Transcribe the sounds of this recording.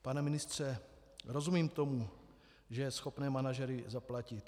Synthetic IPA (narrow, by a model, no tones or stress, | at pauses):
panɛmɪnɪst̪r̝̥ɛ | ɾo̞zumiːmt̪o̞mu | ʒɛjɛsxo̞pnɛːmanaʒɛɾɪzaplacɪt̪